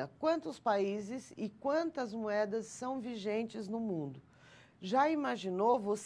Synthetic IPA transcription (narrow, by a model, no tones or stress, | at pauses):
ɐkwɐ̃nt̪ʊspaizɪzɪkwɐ̃nt̪ɐzmuɛd̪ɐsːɐ̃w̃viʒẽnt͡ʃɪznʊmũnd̪ʊ | ʒaimaʒinowvos